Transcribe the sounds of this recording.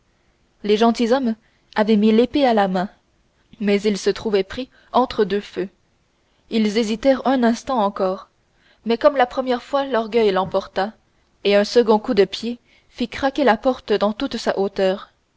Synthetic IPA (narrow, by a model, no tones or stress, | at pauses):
leʒɑ̃t̪izɔm | avɛmilepealamɛ̃ | mɛzilsət̪χuvɛpχi | ɑ̃t̪χəd̪øfø | ilzezit̪ɛʁœ̃nɛ̃st̪ɑ̃ɑ̃kɔːʁ | mɛkɔmlapχəmjɛʁfwalɔʁɡʲœjlɑ̃pɔʁt̪a | eœ̃səɡɔ̃kud̪əpje | fikχakʲelapɔʁt̪d̪ɑ̃t̪ut̪saʔot̪œːʁ